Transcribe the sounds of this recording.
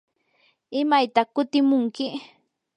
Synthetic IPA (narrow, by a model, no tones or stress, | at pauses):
ɪmajt̪akʊt̪ɪmʊŋkɪ